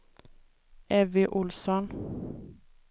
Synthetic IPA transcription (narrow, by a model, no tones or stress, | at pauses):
ʔɛʋɪʔʊlsɔn